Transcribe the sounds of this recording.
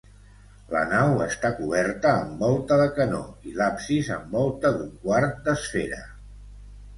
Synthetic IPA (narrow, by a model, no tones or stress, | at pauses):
lə̰nawəst̪akuβ̞ɛɾt̪əːmbɔlˠt̪əðəkənoilapsizə̰mbɔlˠt̪əðuŋkwart̪̚d̪əsfeɾə